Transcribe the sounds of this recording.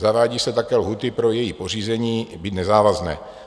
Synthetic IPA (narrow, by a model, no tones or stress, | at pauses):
zavaːɟiːsɛt̪akɛːlɦut̪ɪpɾo̞jɛjipo̞r̝iːzɛɲiːbit̪nɛzaːvaznɛ̰ː